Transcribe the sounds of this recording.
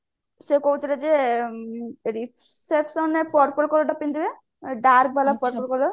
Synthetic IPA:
sekoɦut̪ʰiled͡ʒe | ɾi | sepsɔnepɔɾpɔlkɔlɔɖɔpːind̪ibe | ɖaɾk̚balapɔɾpɔlkɔlɔ

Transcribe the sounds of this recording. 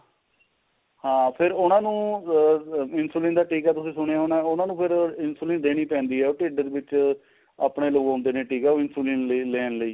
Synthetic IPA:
hãːpʰɪɾʊnãːnũː | ɪnsuːlɪ̃nd̪aːʈiːkɛːt̪ʊsĩːsʊɽ̃eːaːʊnãːʊnãːnũːpʰɪɾɪnsuːlɪ̃nd̪eːɽ̃iːpɛ̃ːnd̪iːɦɛːoːʈɪːɖəd̪ʋɪt͡ʃ | a̰ːpɳeːləuõːnd̪eːneːʈiːkɛːoɪnsuːliːnlːleːnləiː

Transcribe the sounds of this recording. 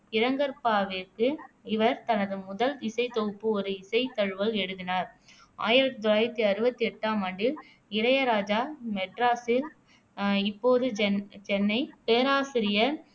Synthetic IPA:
ɪɾɐŋɡɐɾpaːʋɪɾkɯɪʋɐɾt̪ɐnɐðɯmʊðɐlɪsɐɪt̪oːpːɯɔɾɯɪsɐɪt̪ɐɻɯʋɐlɛɽɯðɪnaːɾ | a̰ːjɪɾɐt̪ːit̪ɔlaːjɪɾɐt̪ːiɐɾɯbɐt̪ːiɛʈːaːmɐɳɖɪl | ɪɾɐjɐɾaːd͡ʒaːmɛʈɾaːsɪl | ɪpːoːðɯd͡ʒɛt͡ʃɛnːɐɪpeːɾaːsɪɾɪjɐ

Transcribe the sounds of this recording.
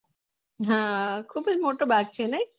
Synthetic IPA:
ɦãkʰubed͡ʒmoʈobak̚t͡ɕʰenej

